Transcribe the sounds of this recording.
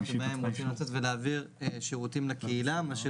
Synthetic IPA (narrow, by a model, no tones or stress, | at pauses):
emeemʁot͡simlat͡se̞t̪veleːviʁ | eʃeʁut̪imlakeilamaʃe